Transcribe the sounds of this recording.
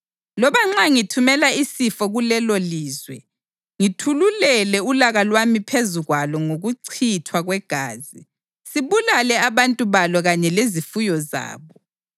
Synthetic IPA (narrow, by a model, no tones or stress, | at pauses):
lɔβaŋ͡ǁaŋitʰumɛlaisifɔɣulɛloliːzwɛ̰ | ŋitʰululɛlɛulaɣalwamipʰezuɣwalɔŋoɣuǀʰitʰwaɣwɛɡ̥ʱaːzi | siβulalɛaβantʼuβalɔɣaɲɛlezifujɔza̰ːβɔ